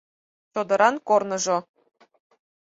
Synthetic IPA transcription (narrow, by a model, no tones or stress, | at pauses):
t͡ɕod̪ɤ̆ɾɑnkornɤ̆ʐɤ̆